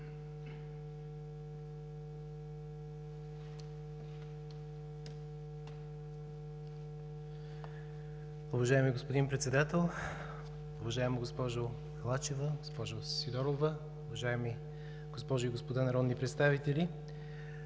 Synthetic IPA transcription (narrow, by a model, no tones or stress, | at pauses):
ʊvɐʒaɛmiɡospod̪inpɾɛt̪sɛd̪at̪ɛlˠ | ʊvɐʒaɛmiɡospɔʒo | ɐlˠat͡ʃɛvəɡospɔʒosid̪ɔɾovə | ʊvɐʒaɛmi | ɡ̥ospɔʒoiɡospod̪anaɾɔd̪nipɾɛt̪st̪avit̪ɛli